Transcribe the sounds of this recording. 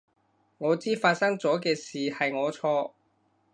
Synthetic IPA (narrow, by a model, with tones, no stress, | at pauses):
ŋɔː˨˧t͡siː˥faː˧t̚sɐ˥ŋt͡sɔː˨˥kɛː˧siː˨hɐ˨jŋɔː˨˧t͡sʰɔː˧